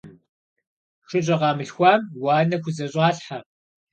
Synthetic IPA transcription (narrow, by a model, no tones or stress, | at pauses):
ʂɨɕʼɐʁɑːmɨɬxʷɑːmwɑːnɐxʷʊzɐɕʼɑːɬħa